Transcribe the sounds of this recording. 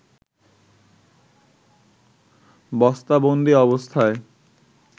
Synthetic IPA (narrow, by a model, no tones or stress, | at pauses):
bɔst̪abond̪iɔbost̪ʰae